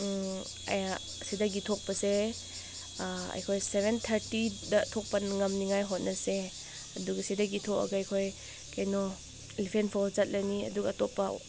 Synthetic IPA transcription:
ɐja | sidaɡitʰɔk̚pɐse | ɐ̰jkʰojsebʱent̪ʰɐɾtidɐtʰɔk̚pɐnŋɐmniŋajɦot̚nɐse | ɐduɡɐsidaɡitʰɔkɐ̰ɡaːjkʰoj | kajnɔ | elipʰenpʰawzat̚laniɐ̰duɡːtɔpa̰

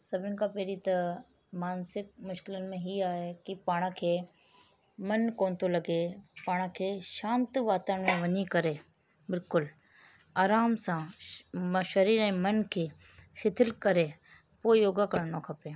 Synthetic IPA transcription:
sɐbʱɪ̃nɪkʰapeːɾit̪ɐ | maːnsɪk̚mʊʃkɪlənɪ̆mẽɦiaːɦekipaːɽ̃kʰeː | mɐnkoːnt̪ʰolɐɡepaːɽ̃kʰeːʃãːnt̪ʋaːt̪əːɽ̃mẽʋɐɲikɐɾeː | bɪlkʊl | aːɾaːmsã | ʃɐɾiːɾɛ̃ːmɐnkʰeː | xʰɪt̪ʰɪlkɐɾe | poːɪjoːɡakɐɾnokʰɐpeː

